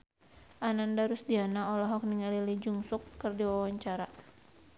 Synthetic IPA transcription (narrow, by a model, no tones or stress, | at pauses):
ʔanandaɾusdianaɔlɔɦɔk̚niŋalilid͡ʒuŋsukːɨrdiwawaɲt͡ʃaɾa